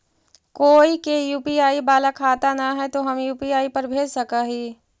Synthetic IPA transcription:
koːikejuːpiaːibaːlakʰaːt̪anaɦɛt̪oɦɐmjuːpiaːipɐɾbʱeːd͡ʒsɐkaɦiː

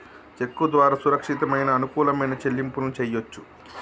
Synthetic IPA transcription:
t͡ʃe̞kːud̪ʋaːɾaːsuɾɐkʂit̪ɐmɐjnɐːnukuːlɐmɐjnɐt͡ʃe̞lːimpunut͡ʃɛjːo̞t͡ʃːu̥

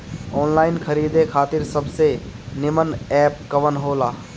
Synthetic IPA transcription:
oːnlaːɪnkʰəɾiːd̪ekʰaːt̪ɪɾsəbse | nɪmənɛːp̚kəʋənɦoːlaː

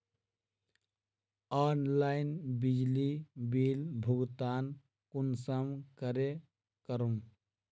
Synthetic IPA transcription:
aːnlaɪnbid͡ʒlibiːlbʱʊɡt̪aːn | kunsəmkəɾe | kəɾum

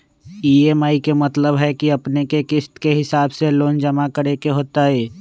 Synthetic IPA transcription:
iːeːmaːikemɐt̪ləbɦɛkiɐpnekekɪst̪keɦɪsaːbseloːnd͡ʒəmakəɾekeɦoːt̪aɦɛː

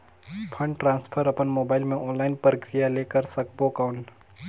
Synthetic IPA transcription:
pʰə̃ɳɖʈɾãːnspʰəɾɐpənmoːbaːɪlmẽʔɔːnlaɪnpɾəkɾijalekəɾsəkbokaʊɳ

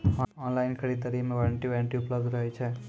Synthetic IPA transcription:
ɔːnlajnkʰɐɽid̪əɾimeʋɐɾɳʈiʋeɳʈiʊpləbd̪ɾəɦjt͡ʃʰe

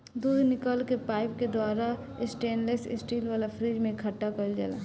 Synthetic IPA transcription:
d̪uːd̪nɪkəlkepaːɪpked̪aːɾa | ɪsʈeːnlesɪ̰sʈiːlʋaːlapʰɾiːd͡ʒmẽkʰəʈːakəld͡ʒə̰la̰

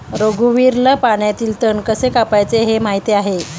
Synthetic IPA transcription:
ɾoɡuʋiːɾləpaɳjat̪iːlt̪əɳkəsekapajt͡seɦemaɦit̪eaɦe

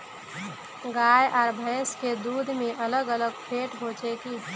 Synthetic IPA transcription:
ɡaːjʔɔːɾbʱə̃ːsked̪uːd̪ʱmẽʔələɡələɡpʰeːʈɦot͡ʃekiː

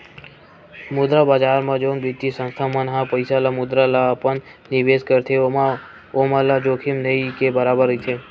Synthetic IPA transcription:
mʊd̪ɾabad͡ʒaːɾmãd͡ʒoːnbit̪ːisə̃nst̪ʰamənɦãpəɪsalamʊd̪ɾalaəpənː | ɪʋeskəɾt̪ʰe | omãlad͡ʒokʰimnəikebəɾaːbəɾəit̪ʰe

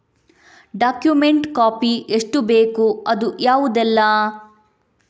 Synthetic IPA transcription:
ɖaːkjumeɳʈkaːpiʔeʂʈubeːkuɐd̪ujaːʋud̪ɛlːɐ

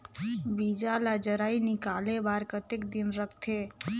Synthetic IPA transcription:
bid͡ʒalad͡ʒəɾaːinɪkaːlebaːɾkət̪ekd̪ɪnɾəkʰt̪ʰe

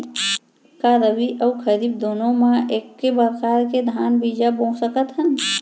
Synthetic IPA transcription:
kaɾəbiʔəukʰəɾib̚d̪onõmaʔekːebəɾkaɾked̪ʱanbid͡ʒabõsəkət̪ɦən

